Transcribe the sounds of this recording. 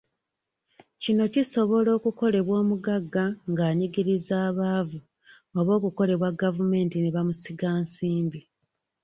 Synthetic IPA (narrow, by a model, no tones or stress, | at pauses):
cino̞ciso̞βo̞lo̞ːkuko̞le̞βwo̞ːmuɡaɡːaŋɡaːɲiɡiɾizaːβaːvu | oβo̞ːkuko̞le̞βwaɡːavume̞ːntineβamusiɡaːnsiːmbi